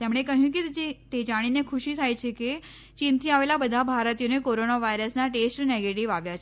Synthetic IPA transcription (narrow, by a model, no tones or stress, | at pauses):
t̪emɽ̃ekəɦjũkid͡ʒet̪ed͡ʒaɽ̃inekʰuɕiːt̪ʰajt͡ʃʰeke | t͡ɕint̪ĩaʋelabəd̪ʱabʱaɾt̪ijonekoɾonaʋajɾəsnaʈesʈneɡeʈiʋaʋjat͡ʃʰe